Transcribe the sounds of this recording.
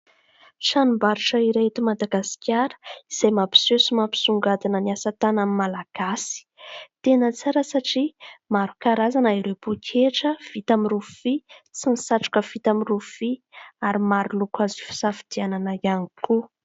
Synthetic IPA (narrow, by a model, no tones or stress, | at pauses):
ʃanumbaɾiʈ͡ʂəiɾeɦet̪imad̪aɡasi̥kʲaɾə̥iz̥ajmapi̥sesimapi̥suŋɡad̪inəniasat̪anamimalaɡ̥asi̥t̪enət͡saɾəsaʈ͡ʂimaɾukaɾazanəiɾewbukʲʰeʈ͡ʂəv̥it̪amirufit͡sinisaʈ͡ʂu̥kəv̥it̪amirufiaɾimaɾulukwazifi̥safid̪̥iananaianikʰu